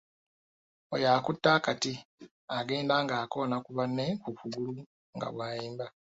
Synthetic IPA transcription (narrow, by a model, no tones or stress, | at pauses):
ojaːkutːaːkati | aɡe̞ːndaːŋɡaːko̞nakuβanːe̞kukuɡulu | ŋɡa̰βwaːjiːmba